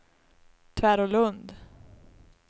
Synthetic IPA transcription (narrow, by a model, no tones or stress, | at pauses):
t̪ʰvæːɾɔlɵnd̪